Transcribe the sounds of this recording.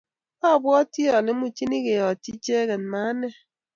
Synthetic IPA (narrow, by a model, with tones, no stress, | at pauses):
ɔ˦˨bwɔ˦ti˦ɔ˨lɪ˦m̩˦u˨t͡ʃi˦ni˦ɣe˨ɔ˨ti˦t͡ʃe˦ɣɛ˨n˨ma˨˦nɛ˦